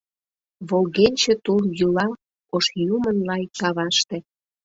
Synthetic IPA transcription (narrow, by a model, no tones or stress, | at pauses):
βolɣenʲt͡ɕĕt̪uljulɑ | oʃjumənlɑjkɑβɑʃt̪ĕ